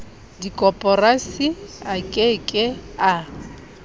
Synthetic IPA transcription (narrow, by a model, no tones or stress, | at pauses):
dikʼɔpʼɔrasiakʼekʼɪa